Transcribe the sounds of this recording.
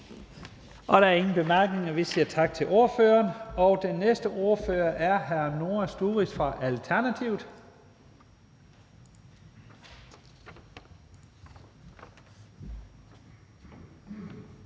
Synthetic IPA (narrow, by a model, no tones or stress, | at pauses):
ʔɒ̽ɾ̥ɑ̈æɐe̝ŋn̩b̥e̝mæɐɡ̥ne̝ŋɐʋisiɐt͡sʰɑ̈ɡ̥̚t͡sʰe̝lʔo̝ɐføːɐːnɒ̽ʊd̥enːesd̥əʔo̝ɐfø̰ːɐʔæɐɦæɐno̝ːɐsd̥uːʁisfʁɑ̈ʔælt͡sʰæɐnæt͡sʰiʊð̩ˠ